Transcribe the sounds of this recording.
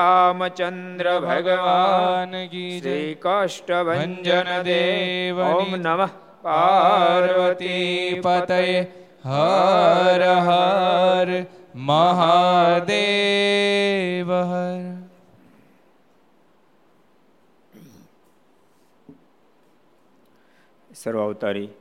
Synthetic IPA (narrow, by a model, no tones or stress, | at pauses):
aːmɐt͡ʃɐnd̪ɾɐbʱɐɡɐʋaːnɡiːd͡ʒeiːkaːʂʈɐbʱɐɐɲd͡ʒɐnɐd̪eːʋɐninɐ | paːɾʋɐt̪ipɐt̪ɐje | ɦɐ | ɾɐɦɐɾmɐɦaːd̪eː | ʋɐɦɐɾ | sɐɾʋaːwt̪aɾiː